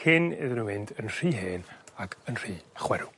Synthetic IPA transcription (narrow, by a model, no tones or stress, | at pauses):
hɪnɪ̰ðnumɪndənr̥iːɦeːnakʰənr̥iːaχwɛɾu